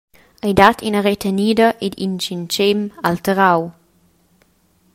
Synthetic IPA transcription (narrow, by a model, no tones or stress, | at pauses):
ajdatʰinəɾet̪ʰeniːdəʔed̪ḭnt͡ʃint͡ʃemalt̪əɾaw